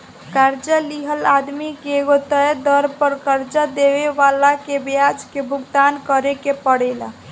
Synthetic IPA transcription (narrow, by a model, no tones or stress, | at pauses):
kaɾd͡ʒəliɦəlad̪mikeːɡot̪əd̪əɾpəɾkəɾd͡ʒəd̪eʋeʋalakebjad͡ʒkebʱuɡd̪ankəɾekepəɽɛla̰